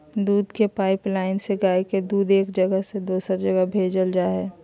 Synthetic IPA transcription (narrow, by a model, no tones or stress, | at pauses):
d̪uːd̪kepaːɪplaːɪnseɡaːeked̪uːd̪eːkd͡ʒəɡəɦsed̪oːsəɾd͡ʒəɡəbʱeːd͡ʒəld͡ʒaːɦɛː